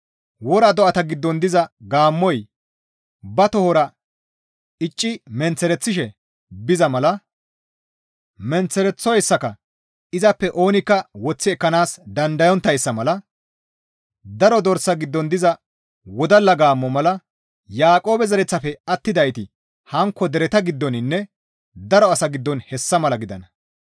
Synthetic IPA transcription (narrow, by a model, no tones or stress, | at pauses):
wɔɾɐd̪ɔʔɐt̪ɐɡɪd̪ːɔnd̪ɪzɐɡaːmːɔj | bɐt̪ɔhɔɾɐ | ɪt͡ʃʼːɪmɛnt͡sːɛɾɛt͡sːɪʃɛ | bɪzɐmɐlɐ | mɛnt͡sːɛɾɛt͡sːɔjsːɐkɐ | ɪzɐpːɛʔo̞ːnɪkːɐwɔt͡sːɪɛkːɐnaːsd̪ɐnd̪ɐjɔnt̪ːɐjsːɐmɐlɐ | d̪ɐɾɔd̪ɔɾsːɐɡɪd̪ːɔnd̪ɪzɐ | wɔd̪ɐlɐɡaːmːɔmɐlɐ | jaːkʼo̞ːbɛzɐɾɛt͡sːɐfɛɐt̪ːɪd̪ɐjt̪ɪ | hɐŋkːɔd̪ɛɾɛt̪ɐɡɪd̪ːɔnɪnːɛ | d̪ɐɾɔɐsɐɡɪd̪ːɔnhɛsːɐmɐlɐɡɪd̪ɐnɐ